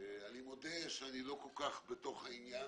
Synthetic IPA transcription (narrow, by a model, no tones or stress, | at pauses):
animod̪eʃeanilo̞kolkaχbet̪o̞χhainja